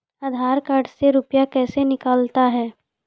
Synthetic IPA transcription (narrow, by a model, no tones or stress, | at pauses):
aːd̪ʱaːɾkaːɾɖseɾʊpjakɛːsenɪkaːlt̪aɦɛː